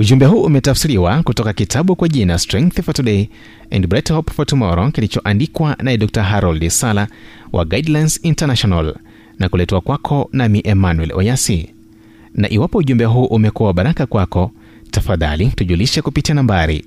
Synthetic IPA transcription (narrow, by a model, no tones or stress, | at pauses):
uʄumbɛɦuːʔumɛtafsiɾiwakutɔkakitʰaɓukwaʄinastɾɛ̃ŋkθfɔtuɗɛi | ɛ̰ndbɾɛthɔpfɔtumɔɾɔkilit͡ʃɔʔandikwanaɛɗɔk̚taɦaɾɔldisala | wʔa̰ɡajdlajnsintanaʃɔnal | nakulɛtɛwakwakʰɔnamiʔɛmanwɛlɔ̰jasi | na̰ʔiwapɔuʄumbɛɦuːʔumɛkuwaɓaɾakakwakɔ | tafaða̰lituʄuliʃɛkupitianambaɾḭ